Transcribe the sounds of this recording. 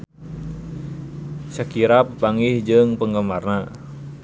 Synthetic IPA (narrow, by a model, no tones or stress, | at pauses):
səkiɾapəpaŋɪhd͡ʒɨŋpəŋɡəmarna